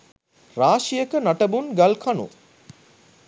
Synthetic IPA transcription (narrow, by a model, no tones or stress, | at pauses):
ɾaːʃijəkənaʈəbunɡalkʰanṵ